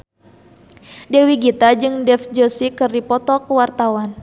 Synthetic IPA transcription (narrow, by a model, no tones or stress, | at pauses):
dɛwiɡit̪ad͡ʒɨŋdɛfd͡ʒosikɨrdipɔt̪ɔkəwart̪awan